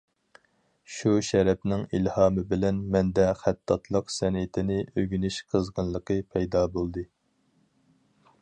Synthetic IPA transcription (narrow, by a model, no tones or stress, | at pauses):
ʃuʃɛɾɛpnɪŋilhɑːmɨbɪlɛnmɛnd̪ɛχæt̪ʰːɑt̪ʰlˠəqsɛnɪt̪ʰɪnɪʔøɡʲynɪʃqʰəzʁənlˠəqʰəpʰɛjd̪ɑːbolˠd̪ɨ